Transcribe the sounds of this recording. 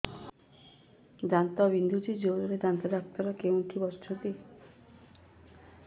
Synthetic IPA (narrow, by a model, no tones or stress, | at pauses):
d͡ʒant̪ɔbind̪ʱud͡ʒid͡ʒoɾɔɾed̪ant̪ad̪ak̚t̪ɔɾɔkewʈʰibɔɾt͡ʃʰɔt̪i